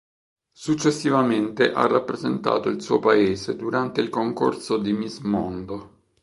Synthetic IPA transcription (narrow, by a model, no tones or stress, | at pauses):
sut͡ʃːesːivament̪eʔa̰rːapːɾezent̪a̰ːt̪oilsuːopaeːzed̪uɾant̪eilkoŋko̰rsod̪imizmɔ̰nd̪o